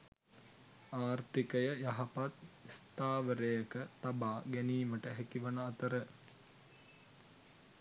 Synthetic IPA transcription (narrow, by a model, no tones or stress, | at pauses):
aːrt̪ikəjəjɐɦɐpat̪ist̪aːʋəɾejəkət̪abaːɡæniːməʈəɦɛkiʋənəɐt̪əɾə